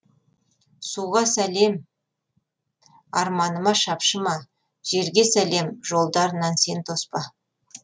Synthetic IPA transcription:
suʁɑsæle̞m | ɑɾmɑnəmɑʃɑpʃəmɑ | ʒ̥e̞ɾɡʲe̞sæle̞mʒo̞lˠd̪ɑɾənɑnse̞nt̪ʰo̞spɑ

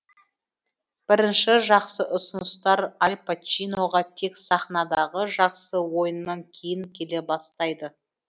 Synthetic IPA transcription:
b̥ɪɾɪnʃɪʒɑqsəʔʊsʊnəst̪ɑɾɑlʲpʰat͡ʃijno̞ʁɑt̪ʰe̞ksɑχnɑd̪ɑʁəʒɑqsəwo̞jənːɑŋkʲʰe̞jɪŋkʲʰe̞le̞bɑst̪ɑjd̪ə

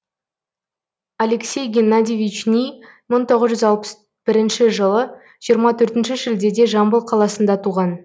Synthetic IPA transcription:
aleksʲe̞jɡʲenːad̪ʲivʲit͡ʃnʲij | məɴt̪ʰo̞ʁəzʒʏzɑlˠpə̥s | b̥ɪɾɪnʃɪʒəlˠə | ʒ̥ijəɾmɑt̪ʰɵɾt̪ɪnʃɪʒɪld̪e̞d̪e̞ʒɑmbəlˠqʰɑlˠɑsənd̪ɑt̪ʰuʁɑn

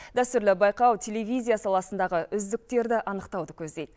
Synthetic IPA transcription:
d̪æst̪ʏɾlɪbɑjqɑwt̪ʲʰelevʲijzʲijasɑlˠɑsənd̪ɑʁəʔʏzd̪ɪk̚t̪e̞ɾd̪ɪʔɑnəqt̪ɑwd̪əkʲʰɵzd̪e̞jd̪

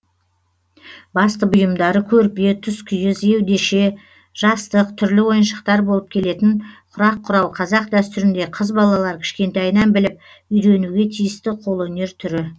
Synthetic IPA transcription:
bɑst̪əbʊjəmd̪ɑɾəkʲʰɵɾpe̞t̪ʰʏskʲʰʏjɪze̞wd̪e̞ʃe̞ | ʒ̥ɑst̪əq̚t̪ʰʏɾlɪwo̞jənʃə̥q̚t̪ɑɾbo̞lˠəp̚kʲʰe̞le̞t̪ɪɴqʰʊɾɑqʰːʊɾɑwqʰɑzɑqd̪æst̪ʏɾɪnd̪e̞qʰəzbɑlˠɑlˠɑɾkʲʰɪ̥ʃkʲe̞nt̪ɑjnɑnbɪlɪp̚ | ʏjɾe̞nuɡʲe̞t̪ʰijɪst̪ɪqʰo̞lˠɵne̞ɾt̪ʰʏɾɪ

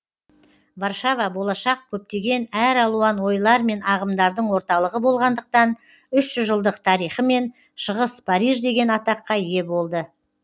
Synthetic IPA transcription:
varʃɑvɑbo̞lˠɑʃɑq̚kʲʰɵp̚t̪e̞ɡʲe̞næɾɑlˠuɑnwo̞jlˠɑɾme̞nɑʁəmd̪ɑɾd̪əɴwo̞ɾt̪ɑlˠəʁəbo̞lˠʁɑnd̪əq̚t̪ɑn | ʏʃʒʏzʒəlˠd̪əq̚t̪ʰɑɾijχəme̞n | ʃəʁəspʰaɾiʒd̪e̞ɡʲe̞nɑt̪ɑqːɑje̞bo̞lˠd̪ə

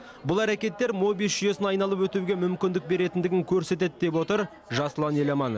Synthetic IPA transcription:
bʊlˠæɾækʲe̞t̪ːe̞ɾmo̞bijʒ̥ʏje̞sɪnɑjnɑlˠəpwɵt̪uɡʲe̞mʏmkʲɪnd̪ɪk̚be̞ɾe̞t̪ɪnd̪ɪɡʲɪŋkʲʰɵɾse̞t̪̬e̞d̪d̪e̞p̬wo̞t̪əɾ | ʒɑslˠɑne̞lʲemɑno

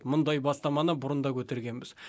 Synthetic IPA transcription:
mʊnd̪ɑjbɑst̪ɑmɑnəbʊɾənd̪ɑkʲʰɵt̪e̞ɾɡʲe̞nbɪz̥

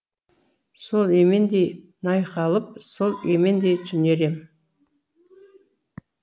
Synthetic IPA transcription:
so̞lˠemend̪ej | nɑjqɑlˠəp̚so̞lˠemend̪ejt̪ʰʏneɾem

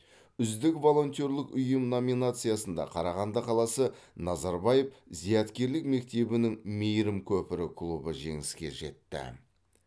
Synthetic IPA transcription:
ʏzd̪ɪkvo̞lˠo̞nt̪ʲo̞ɾlˠɪkʏjɪmno̞minat̪sɨjasənd̪ɑ̰qʰɑɾɑʁɑnd̪əqʰɑlˠɑsənɑzɑɾbajefzijɑt̪kʲe̞ɾlɪkme̞k̚t̪e̞bɪnɪŋmejɾɪmkʲʰɵpɪɾɪkʰlˠubəʒe̞̰ŋɪskʲe̞̰ʒe̞̰t̪ːɪ̰

